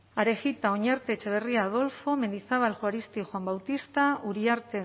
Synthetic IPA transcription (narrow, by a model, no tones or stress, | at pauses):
aɾe̞ɣit̪ao̞ɲaɾt̪e̞t͡ʃeβ̞e̞riaːð̞o̞lfo̞me̞nd̪iθaβalʝuaɾist̪ixoambawt̪ist̪aʔuɾiaɾt̪e